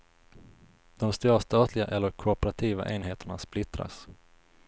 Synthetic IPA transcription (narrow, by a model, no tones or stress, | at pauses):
d̪̥ɔmst̪uːɾast̪ɑːt̪ʰlɪɡaʔɛlːəɾkʰʊpəɾat̪ʰiːva̰ʔeːnɦeːt̪ʰəɳasplɪt̪ɾa̰s